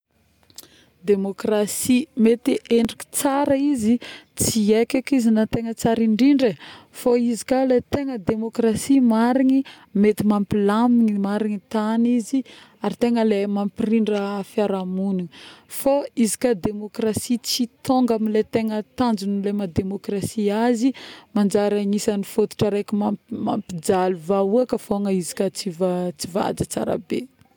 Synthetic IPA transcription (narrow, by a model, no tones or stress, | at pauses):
d̪emokrasimet̪iʔeɳɖ͡ʐiki̥t͡saɾəizit͡siekʲakizinat̪eŋət͡saɾiɳɖ͡ʐiɳɖ͡ʐefoizikʲalet̪eŋəd̪emokrasimaɾiŋi | met̪imampilamiɲimaɾiŋit̪anizi | aɾit̪eŋəlemampiriɳɖ͡ʐəfiaɾamunifoizi̥kʲəd̪emokrasit͡sit̪oŋɡamilet̪eŋət̪and͡ʒunilemad̪emokrasiazimand͡ʒaɾaŋisanifot̪u̥ʈ͡ʂəɾekʲimama̰mpid͡zaluvauakəfoŋəizi̥kʲət͡sivat͡siva̰d͡zət͡sa̰ɾa̰bḛ